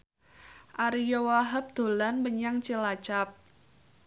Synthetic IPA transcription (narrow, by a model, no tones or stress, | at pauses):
ʔaɾijowaɦap̚d̪̥o̤lanbəɲaŋt͡ʃəlat͡ʃap̚